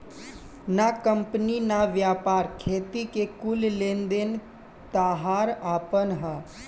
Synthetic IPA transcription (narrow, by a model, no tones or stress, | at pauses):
nakə̃mpninaʋjaːpaːɾkʰeːt̪ikekʊllẽːnd̪en | t̪aːɦaːɾaːpənɦə